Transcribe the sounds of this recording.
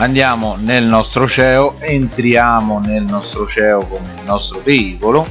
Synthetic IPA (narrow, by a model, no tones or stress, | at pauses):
and̪jaːmʊnelnɔst̪ɾʊt͡ʃɛːʊʔeːnt̪ɾjaːmʊnelnɔst̪ɾʊt͡ʃɛːʊkomelnɔst̪ɾʊpeiːkʊlʊ